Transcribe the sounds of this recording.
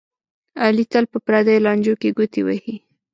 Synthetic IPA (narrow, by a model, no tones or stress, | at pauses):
alit̪alpəpɾad̪ajlɑnd͡ʒokeɡut̪iwahi